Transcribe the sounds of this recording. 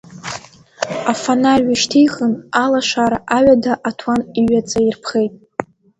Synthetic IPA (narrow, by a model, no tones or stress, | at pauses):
afanalʲɥaʃtʰijχənalaʃʷaɾaʔaɥadaʔatʰwaniɥat͡sʼairpʰχe̞jtʼ